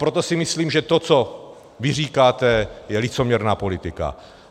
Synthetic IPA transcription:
pɾot̪osɪmɪsliːmʒɛt̪ot͡so | vɪr̝iːkaːt̪ɛjɛlɪt͡so̞mɲɛɾnaːpo̞lɪt̪ɪka̰

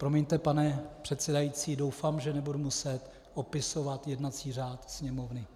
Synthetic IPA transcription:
pɾo̞miɲt̪ɛpanɛpr̝̥ɛt̪sɛdajit͡siːdo̞wfaːmʒɛnɛbudumusɛt̪ | ʔopɪso̞vat̪jɛdnat͡siːr̝aːt̪sɲɛmovnɪ

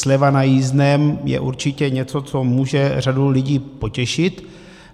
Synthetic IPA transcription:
slɛvanajiːznɛmjɛ̰ʔuɾt͡ʃɪcɛɲɛt͡so̞t͡so̞muːʒɛradulɪɟiːpo̞cɛʃɪt̪

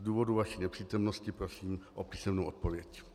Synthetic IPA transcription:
duːvo̞duvaʃiːnɛpr̥iːt̪omnoscɪpɾosiːmʔopiːsɛmnowʔot̪̚povjɛc

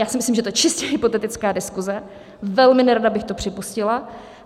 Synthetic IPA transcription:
jaːsɪmɪslimʒɛt̪ot͡ʃɪscɛɦɪpo̞t̪ɛt̪ɪt͡skaːdɪskuzɛ | vɛlmɪnɛɾadabɪxt̪o̞pr̥ɪpuscɪla

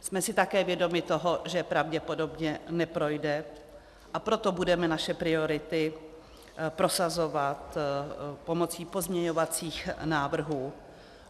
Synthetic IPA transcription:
smɛsɪt̪akɛːvjɛdo̞mɪt̪oɦo̞ʒɛpɾavɟɛpo̞do̞bɲɛnɛpɾo̞jdɛ | ʔapɾo̞t̪o̞budɛmɛnaʃɛpɾɪo̞ɾɪt̪ɪ | pɾo̞sazo̞vat̪ | po̞mo̞t͡siːpo̞zmɲɛɲo̞vat͡siːxnaːvr̩ɦuː

